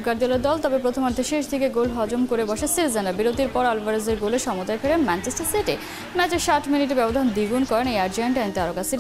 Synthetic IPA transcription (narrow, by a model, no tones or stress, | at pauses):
kaɾd͡ʑ̪aleɾd̪ɔlt̪ɔbepɾot̪ʰomaɾd̪ʱeʃeʃ̬d̪ʱikeɡolɦɔd͡ʑomkoɾebɔʃesiɾzenabiɾot̪iɾpɔɾalbaɾezeɾɡoleʃɔmot̪aefʰeɾemɛnt͡ɕʰesʈaɾsiʈe | mɛt͡ɕeɾʃaʈʰminiʈebɛbod̪ʱand̪iɡunkɔɾenejaɾd͡ʑaɳʈajnt̪iaɾokasiɾ